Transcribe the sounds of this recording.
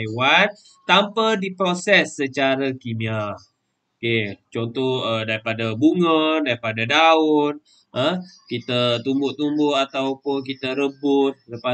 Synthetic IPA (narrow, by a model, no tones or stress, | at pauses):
wan | t̪ampədipɾosɛsːət͡ʃaɾakimia | oket͡ʃɔnt̪ɔhədaɾipadabuŋədaɾipadadaʊn̚ | ə̃kit̪ət̪umbʊʔt̪umbʊʔat̪awpʊnk̬it̪əɾəbʊt̪̚ləpa